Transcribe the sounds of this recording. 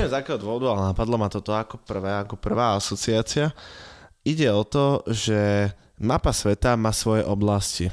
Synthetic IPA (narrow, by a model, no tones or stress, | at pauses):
jɛmzakɛːɦɔd̪ʋɔʋɔd̪ualɛnapad̪lɔmat̪ɔt̪ɔakɔpr̩ʋɛːakɔpr̩ʋaːasɔt͡siaːt͡sɪa | iɟɛɔt̪ɔʒɛ | mapasʋɛt̪amasʋɔjɛʔɔblasci